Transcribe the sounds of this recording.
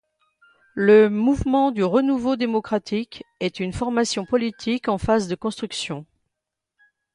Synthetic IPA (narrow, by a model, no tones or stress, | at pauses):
ləmuvmɑ̃d̪yʁənuvod̪emɔkχat̪ʰikɛt̪ynfɔʁmasjɔ̃pɔlit̪ʰikɑ̃fazd̪əkɔ̃st̪χyksjɔ̃